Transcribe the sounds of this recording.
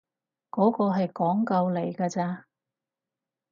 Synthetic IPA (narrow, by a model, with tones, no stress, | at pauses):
kɔː˨˥kɔː˧ɦɐ˨jkɔː˨˥ŋkɐ˧wle˨˩jkɐː˧t͡saː˧